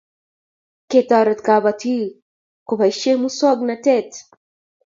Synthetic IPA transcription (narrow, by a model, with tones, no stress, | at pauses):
ket̪aɾət̪kabat̪i˦ | ko˨ba˨ʃe˦mu˦sɔ˦ɡnatɛ˦t̪